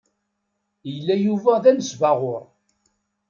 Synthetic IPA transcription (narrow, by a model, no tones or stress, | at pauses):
jəlːæjuvæðænəsvaʁʊɾˤ